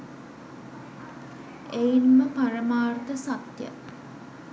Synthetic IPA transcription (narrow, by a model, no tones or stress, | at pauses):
ejinməpaɾəmaːrt̪əsat̪jə̰